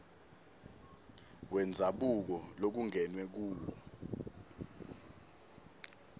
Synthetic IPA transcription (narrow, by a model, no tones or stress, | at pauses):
wɛnd͡zʱaɓuk̬ɔlok̬uŋɛnwɛk̬uːlɔ